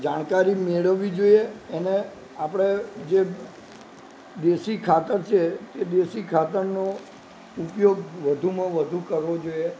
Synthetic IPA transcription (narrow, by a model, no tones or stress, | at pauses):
d͡ʒaɽ̃kaɾimeɭəʋːid͡ʒoieːne | apɽ̃ed͡ʒe | d̪eʃikʰat̪əɾt͡ʃʰet̪ed̪eʃikʰat̪əɾno | upjoɡʋəd̪ʱumãʋəd̪ʱukəɾʋod͡ʒoie